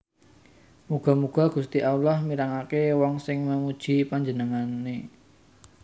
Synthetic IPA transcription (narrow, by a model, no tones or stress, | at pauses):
muɡ̥a̤muɡ̥a̤ɡ̥ṳst̪iʔawlahmiɾaŋakewɔŋsɪŋməmud̥ʒ̥i̤paɲd͡ʒənəŋanːe